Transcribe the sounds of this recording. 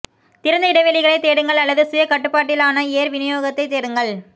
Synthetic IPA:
t̪ɪɾɐnd̪ɐɪɽɐʋeːɭɪɣɐɭɐɪt̪ːeːɽɯŋɡɐɭɐlːɐðɯsʊjɐkɐʈːɯpːaːʈːɪlaːnɐeːɾʋɪnɪjoːɣɐt̪ːɐɪt̪eːɽɯŋɡɐɭ

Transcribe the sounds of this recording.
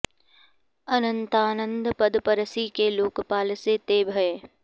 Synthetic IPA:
ɐnə̃nt̪aːnə̃nd̪pɐd̪pɐɾəsikeːloːkpaːlset̪eːbʱɐeː

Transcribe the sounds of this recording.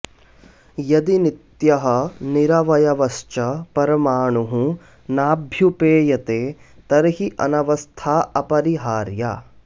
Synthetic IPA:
jɐd̪init̪jɐɦɐ̆niɾɐʋɐjɐʋɐst͡ʃɐpɐɾɐmaːɳuɦũ | naːbʱjupeːjɐt̪eː | t̪ɐɾɐɦiʔɐ̰nɐʋɐst̪ʰaːɐpɐɾiɦaːɾja̰ː

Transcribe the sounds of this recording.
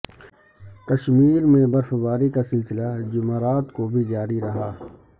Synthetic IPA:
kɐʃmiːɾmẽbɐɾfbaːɾikasɪlsɪlad͡ʒʊmaːɾaːt̪kobʱid͡ʒaːɾiɾɐɦaː

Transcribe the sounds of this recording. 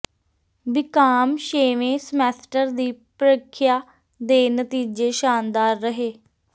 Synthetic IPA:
bɪkaːmʃeːʋẽːsəmɛːsʈəɾd̪iːpɾəkʰːjaː | d̪eːnət̪iːd͡ʒeːʃaːnd̪aːɾːəɦeː

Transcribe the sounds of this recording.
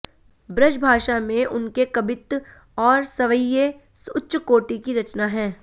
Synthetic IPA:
bɾɐʃbʱaːʃamẽʔʊnkekɐbɪt̪ | ɔːɾsɐʋəje | sʊtːʃkoːʈikiɾɐt͡ʃnaɦɛ̃ː

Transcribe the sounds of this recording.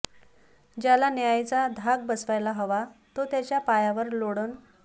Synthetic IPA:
d͡ʑalanjajt͡sad̪ʱaɡ̚bəsʋajlaɦəʋat̪ot̪jat͡ɕjapajaʋəɾloɽən

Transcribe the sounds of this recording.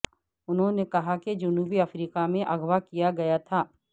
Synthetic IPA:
ʊnɦõnekɐɦaked͡ʒʊnuːbiɐfɾiːkamẽʔɐɡwakijaɡɐjat̪ʰaː

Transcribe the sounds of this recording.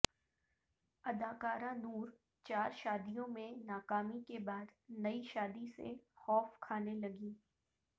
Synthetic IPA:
ɐd̪aːkaːɾãnuːɾ | t͡ʃaːɾʃaːd̪ijõmẽnaːkaːmikebaːd̪nɐiʃaːd̪isḛxɔːfkʰaːnelɐɡiː

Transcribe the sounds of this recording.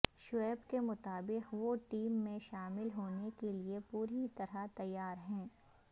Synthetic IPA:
ʃʊɛːbkemʊt̪aːbɪqʋoʈiːmːẽʃaːmɪlɦoːnekeliepuːɾit̪ɐɾat̪ɐjːaːɾɦɛ̃ː

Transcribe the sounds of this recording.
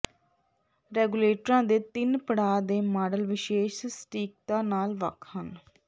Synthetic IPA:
ɾɛːɡuleːʈɾãːd̪eːt̪ɪnpəɽaːd̪eːmaːɖəlʋɪʃeːʃsʈiːk̚t̪ãːnaːlʋə̰kʰhən

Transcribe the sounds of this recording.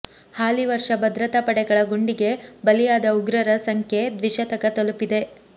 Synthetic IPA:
haːliʋɐɾʂɐbɐd̪ɾɐt̪ɐpɐɽɛɡɐɭɐɡuɳɖiɡe̞bɐlijaːd̪ɐuɡɾɐɾɐsɐŋkʰje̞d̪ʋiʃɐt̪ɐkɐt̪ɐlupːid̪e̞

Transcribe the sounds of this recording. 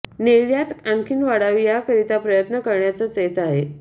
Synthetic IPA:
neljat̪ãŋkʰiːnʋaɽaʋijakəɾit̪apɾəjət̪nəkəɾɳjat͡sat͡set̪aɦe

